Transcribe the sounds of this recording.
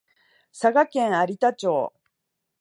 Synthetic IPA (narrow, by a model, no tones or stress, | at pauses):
saɡakẽ̞ɰ̃aɾʲit̪at͡ɕo̞ː